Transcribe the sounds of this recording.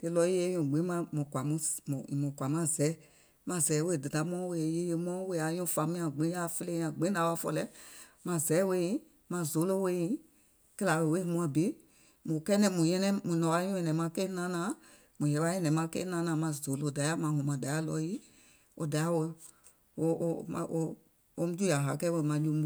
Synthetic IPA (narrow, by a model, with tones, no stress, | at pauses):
te˧lɔ˧˦ji˦e˦jũ˨ɡ͡bĩ˨˦mã˧˦mũ˨kʷa˨mũ˦˨i˨mũ˨kʷa˨mã˧˦zɛ˨˦ | mã˧zɛ˨˦we˧˨dɨ˨ta˨˦mɔ̃˦we˧˨e˨˦je˦je˧mɔ̃˦we˧˨a˨jũ˦fã˨˦mĩ˦ã˨ɡ͡bĩ˨˦a˦˨fe˦lẽ˦ã˨ɡ͡bĩ˨˦da˨˦wa˧˦fɔ̰˧lɛ˦ | mã˧zɛ˨˦we˧˦ĩ˨˦ | mã˧zo˨˦lo˦we˦jĩ˨˦ | ke˦la˨we˨we˦hũ˦ã˧˨be˨˦ | mũ˨kɛ˦nɛ̃˧˦mũ˨jɛ̃˧nɛ̃˦mũ˨nɔ̃˨wa˧˦ɲũ˦ɛ̃˨nɛ̃˨˦mã˧˦ke˦nã˦nãː˨˦ | mũ˨jɛ˨˧˦wa˧˦ɛ̃˦nɛ̃˨˦mã˧˦kḛ˦nã˦nã˨˦mã˧˨zo˨˦lo˧˨da˨˦a˦mã˨˦hũ˨mã˨da˨˦a˦lɔ˧˦ji˦ | o̰˧da˨˦a˦we˧ | o˧o˧mã̰˨ʔo˧ | o˧˦mũ˦d͡ʒu˦ja˨ɦa˨kɛ˦we˧˨mã˧d͡ʒũ˧˦mũ˦